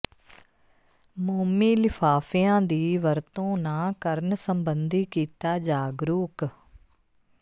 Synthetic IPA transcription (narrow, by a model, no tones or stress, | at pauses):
muːmiːlɪpʰaːfijãːd̪iːʋəɾt̪õːnãːkəɾnsəmbənd̪iːkiːt̪aːd͡ʒaːɡɾuːk